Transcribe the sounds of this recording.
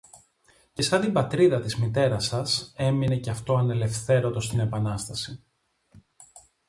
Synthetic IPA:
cesɐnd̪ibɐt̪ɾiðɐt̪izmit̪e̞ɾɐsɐse̞mine̞ceɐft̪o̞ɐne̞le̞fθe̞ɾot̪o̞st̪ine̞pɐnɐst̪ɐsi

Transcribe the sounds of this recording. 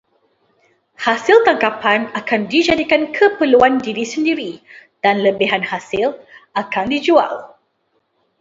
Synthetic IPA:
hasilt̪aŋkapanakandid͡ʒadikankʰəpəluandiɾisəndiɾid̥anləbiɦanhasɪlakandid͡ʒua̰l

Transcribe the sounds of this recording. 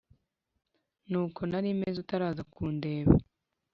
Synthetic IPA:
nuːko̞naɾimezutaɾaːzakʰuːnde̞ːβa

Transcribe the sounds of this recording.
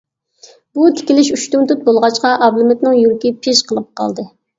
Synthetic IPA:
but̪ʰɪ̥kʲilɪʃyʃt̪umt̪ut̪̚bolˠʁɑt͡ʃqɑʔɑblˠumɪt̪nɪŋjuɾkʲipʰɪʃqʰəlˠəp̚qɑ̰lˠd̪ɨ

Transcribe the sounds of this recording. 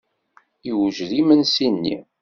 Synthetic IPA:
iwʒðimənsinːḭ

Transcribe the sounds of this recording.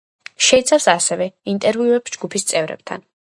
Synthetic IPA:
ʃɛit̪sʰafsasɛvɛint̪ʼɛɾviuɛpsd͡ʒɡupʰist̪sʼɛvɾɛ̰b̚t̪ʰa̰n

